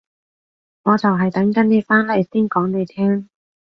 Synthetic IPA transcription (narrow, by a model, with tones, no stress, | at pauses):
ŋɔː˨˧t͡sɐ˨wɦɐ˨˩jt̪ɐ˨˥ŋkɐ˨˥ne˨˧faː˥nlɛː˥˧˩siː˥nkɔː˨˥ŋne˨˧jt̪ʰɛː˥ŋ